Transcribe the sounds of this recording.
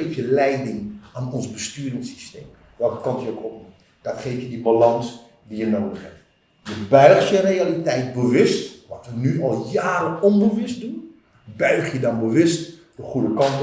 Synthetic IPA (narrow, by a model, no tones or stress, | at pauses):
ejfjəlɛjdɪŋaːnɔnzbəstyːɾɪŋsi̥steːm | ʋɛlˠkə̥kɑntjəokɔpnum | d̥ɑtχejfjədibalɑŋs | dijənowdəχhɛ̰p̚t | jəbœɥχtjərejalitɛjt̚bəʋʏstʋɑtʋənyɑlˠjaːɾəɔnbəʋʏstdun | bœɥχjədɑnbəʋʏst | d̥əχudəkɑnt